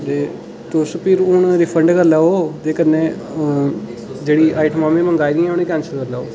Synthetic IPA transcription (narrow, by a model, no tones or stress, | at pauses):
d̪eː | t̪oːspʰiɾʊɳɾiːpʰəɳɖkəɾlaːoːt̪eːkənẽː | d͡ʒeːɽiːaːɪʈəmãːmẽːməŋɡaːid̪ĩɛ̃ːʊneːkɛ̃ːnsəlkəɾlaːoː